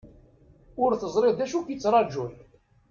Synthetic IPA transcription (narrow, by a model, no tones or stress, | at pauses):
ʊɾθəzˤɾɪðd̪æʃukit͡sːɾˤɑd͡ʒul